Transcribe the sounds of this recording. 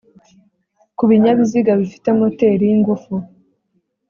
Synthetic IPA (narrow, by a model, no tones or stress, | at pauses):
kuβiɲaβiziɡaβifi̥temote̞ɾijiŋɡufu